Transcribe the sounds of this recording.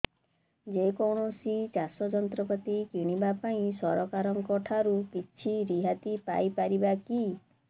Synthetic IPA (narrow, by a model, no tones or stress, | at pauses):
d͡ʒekɔwɳ̃ɔsit͡ʃasɔd͡ʒɔnt̪ɾɔpɔt̪ikiɽ̃ibapaĩsɔɾɔkaɾɔŋkɔʈʰaɾukit͡ʃʰiɾiɦat̪ipa̰jpaɾibaki